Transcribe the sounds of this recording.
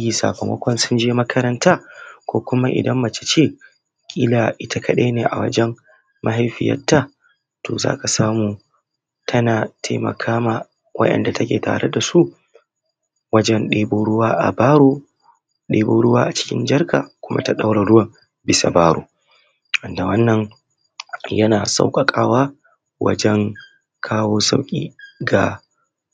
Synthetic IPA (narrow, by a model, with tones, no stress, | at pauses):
ji˨sa̰ː˨kɐ˨mɐ̰˦kʷɔ˦nsʊ˦nd͡ʒeː˦mɐ˦kɐ˦ɾɐ˦ntaː˦kʷoː˦kʷʊ˦ma˦ʔɪ̰˨dɐ˦mːɐ˨t͡ʃe̥˦t͡ʃeː˦˨ | kʲʼiː˦la˨ʔɪ˦tʰa˨kʰɐ˦ɗeː˦neː˨ʔa̰˨wɐ̰˦d͡ʒɛ˦m | ma˦ɦa˨jɸɪ˨jɐ̰˦tːa˦˨ | toː˨za̰ː˦ka˨saː˦muː˨ | tʰɐ˦naː˨tʰa̰˦mɐ̰˨kʰaː˦maː˨ | wɐ̰˦ɗɛ̰˨nda˨tʰɐ˦kʲḛː˨ta̰ː˨ɾe˦da˨su˦ʔ | wɐ˦d͡ʒɛ˦nɗeː˦boː˦ɽʊ˦waː˦ʔa̰˨baː˦ɾoː˦ | ɗeː˦boː˦ɽʊ˦waː˦ʔa˨t͡ʃɪ̥˦kʲɪ˦nd͡ʒɐ˦rkaː˨kʷʊ˦mʔa̰˦ta˦ɗa˦wɽa˨ɽʊ˦wɐ˨ | bɪ˦sa̰˨baː˦ɾo̰ː˨ | ʔɐ˨nda˨wɐ˦nːɐ˨ŋ | jɐ˦naː˨sa̰˦wkʼɐ˨kʼaː˦waː˦ | wɐ̰˦d͡ʒɛ˦ŋ | kʰaː˦woː˦sa̰˦wkʲʼḭː˦ɡa˨